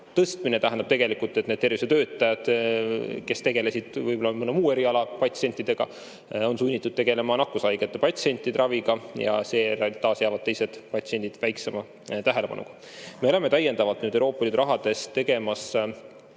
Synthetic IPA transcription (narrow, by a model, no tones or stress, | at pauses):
t̪ɤst̪mine̞t̪æɦænd̪ɑb̥̚t̪e̞ɡe̞likult̪ːˑet̪ne̞d̪t̪ːe̞rvise̥ø̞ːt̪ˑːɑjɑd̪̥ | ke̞st̪e̞ɡ̥e̞le̞sid̪̥vɯjbo̞lɑmɯnumuːe̞ɾiɑlɑpɑt̪ʲsie̞nʲt̪ːˑid̪̥e̞ɡ̥ɑ̰ | o̞nsunʲːit̪ːˑud̪̥̚t̪e̞ɡ̥e̞le̞mɑnɑkːˑusɑjɡ̥et̪ːepɑt̪ʲse̞nʲt̪ːˑid̪rɑviɡ̥ɑjɑ̰se̞ːt̪ːɑːsjæːvɑd̪̥̚t̪e̞jse̞d̪̥pɑt̪sie̞nʲd̪id̪̥væjkse̞mɑ | t̪æɦe̞le̞pɑ̰nṵɡ̥ɑ̥ | meole̞me̞t̪æje̞nd̪ɑvɑlt̪nyːd̪ewɾo̞ːpːˑɑliːd̪uɾɑɦɑd̪̥e̞se̞ɡ̥e̞mɑs